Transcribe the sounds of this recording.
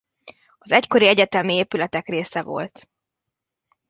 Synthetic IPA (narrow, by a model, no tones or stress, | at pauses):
ɒzɛcko̞ɾiɛɟɛt̪ɛmieːpylɛt̪ɛkreːsɛvo̞̰lt̪